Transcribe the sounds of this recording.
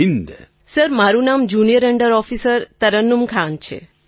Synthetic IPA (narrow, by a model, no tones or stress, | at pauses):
ind̪ | səɾmaɾunamd͡ʒunijəɾəɳɖəɾɔfisəɾt̪əɾənːumkʰant͡ʃʰḛ